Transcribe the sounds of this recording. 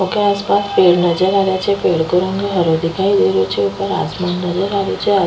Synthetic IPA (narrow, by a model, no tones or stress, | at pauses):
okeaspaspeɭnəd͡ʒəɾaʋjat͡ʃʰefeɭkəɾõŋɡeɦəɾod̪ʱikaid̪eɾot͡ʃʰeupəɾa̰smanːəd͡ʒəɾaʋjot͡ʃʰea